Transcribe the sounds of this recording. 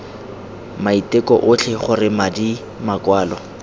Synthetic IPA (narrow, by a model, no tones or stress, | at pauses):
maitɪkɔʔʊt͡ɬʰɛχʊrɪmadi | makwaːlɔ